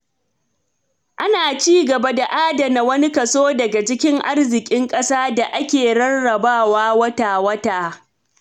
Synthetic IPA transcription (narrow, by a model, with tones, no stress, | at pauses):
ʔa˦naː˨t͡ʃiː˦ɡɐ˨ba˦da˨ʔaː˦dɐ˨na˨wɐ˦ni˦kɐ˨soː˦dɐ˨ɡa˨t͡ʃɪ˦kʲɪ˦ŋʔa˦rzɪ˨kʲʼɪ˦ŋkʼɐ˦saː˦da˨ʔa˦kʲeː˨ɽɐ˦rːɐ˨baː˦˨waː˦wɐ˦taː˨wɐ˦taː˨